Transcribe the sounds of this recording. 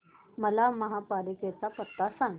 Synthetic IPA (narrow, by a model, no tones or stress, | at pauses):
məlaməɦapaliket͡sapət̪ːasãŋɡ